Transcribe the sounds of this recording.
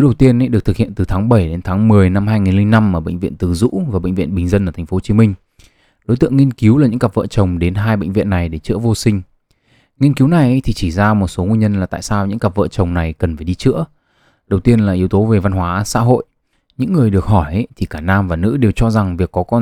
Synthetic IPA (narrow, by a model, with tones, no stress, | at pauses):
ɗə˨˩wt̪i˧ən̰˧˦jɗk̚t̪ʰk̚hḭ˧˨ənt̪ɨ˨˩t̪ʰaː˨˦ŋɓə˧˩jɗe˨˦nt̪ʰaː˨˦ŋmɨ˨˩əjna˧mɦaː˧jŋi˨˩nli˧ŋna˧mʔəː˧˩ɓə̰˧˨ŋ̟vḭ˧˨ənt̪ɨ˨˩zṵ˧˥vaː˨˩ɓə̰˧˨jŋ̟vḭ˧˨ənɓï˨˩ŋ̟zə˧nʔəː˧˩t̪ʰŋfo˦ho˧t͡ɕi˨˦mï˧ŋ̟ | ɗo˨˦t̪ɨ̰˧˨ə˨ŋːi˧ənki˨˦wla˨˩ɲɨ̰˧˥ŋka˨˩p̚və̰ː˧˨t͡ɕə˨˩wŋ͡mɗe˨˦nɦaː˧jɓə̰˧˨ŋ̟vḭ˧˨ənːa˨˩jɗe˧˩t͡ɕɨ̰˧˥əvo˧sï˧ŋ̟ | ŋi˧ənki˨˦wna˨˩jʔə˨˦jt̪ʰi˨˩t͡ɕi˧˩zaː˧mo˨˩t̚so˨˦ŋwi˧ɲə˧nlaː˨˩t̪a̰ː˧˨jsaː˧wɲɨ̰˧˥ŋka˨˩p̚və̰ː˧˨t͡ɕə˨˩wŋ͡mna˨˩jkə˨˩nfaː˧˩jɗi˧t͡ɕɨ̰˧˥ə | ɗə˨˩wt̪i˧ənlaː˨˩ʔi˨˦əwt̪o˨˦ve˨˩va˧nɦwaː˨˦sa̰ː˧˥ɦo̰˧˨j | ɲɨ̰˧˥ŋːɨ˨˩əjɗɨ˨˩ək̚hɔ˧˩jʔə˦t̪ʰi˨˩kaː˧˩naː˧mvaː˨˩nɨ̰˧˥ɗe˨˩wt͡ɕɔ˧za˨˩ŋvi˨˩əkːɔ˨˦kɔ˧n